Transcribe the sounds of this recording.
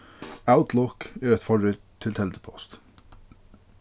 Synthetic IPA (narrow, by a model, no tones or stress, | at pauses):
aʊt̪ʰlɔkeːɾɛt̪fɔɹʏt̪t̪ʰːɪlt̪ʰɛld̪əpʰɔst̪